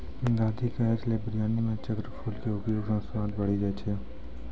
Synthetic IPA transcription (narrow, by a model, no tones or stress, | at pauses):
d̪aːd̪ʱikaeɾleːbɾijaːnimẽt͡ʃəkɾəpʰuːlkeʊpjoːɡə̃sʋãːt̪bəɽ̤id͡ʒajt͡ʃʰeː